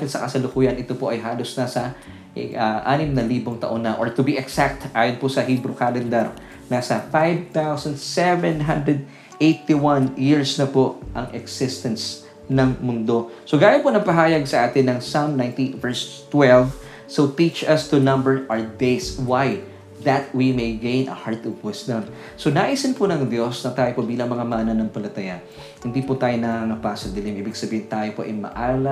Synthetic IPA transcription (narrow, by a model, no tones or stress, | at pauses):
kɪt̪sɐkɐsɐlʊkuːjɐnʔɪt̪opoʔɐjɦaːlosnɐsɐ | ɐʔa̰ːnɪmnɐliːboŋt̪ɐ̰ʔonːɐʔoɹt̪ʊbiʔɛksak̚t̪ʔaːjonposɐɦiːbɾokaːlɛnd̪ɛɾ | nasɐfajvt̪awsɐnd̪sɛvɛnɦɐ̃nd̪ɹɛd̪̚ | ʔejt̪iwɐ̃njɪɹsnɐpoʔʔɐŋʔɛksɪst̪ɐns | nɐŋmʊnd̪o̞soɡaːjɐnponɐɡpɐɦaːjɐɡsɐʔaːt̪ɪnːɐŋsamnãjnt̪ivɛɹst̪wɛlv | sot̪it͡ʃɐst̪unɐ̃mbɛɹʔad̪ejswaj | ðɐt̪̚wimejɡẽjnɐ̰haɹt̪ɔvwɪsd̪ɐm | sonaʔisɪnponɐŋd̪jo̞snɐt̪aːjopobiːlɐŋmɐŋamaʔnɐnɐŋpɐlɐt̪ɐjan | hɪnd̪iːpʊt̪aːjonɐaŋɐpasɐd̪ɪlɪmʔiːbɪɡsɐbiːhɪnt̪aːjopoʔɐjmɐ̰ʔaːlɐ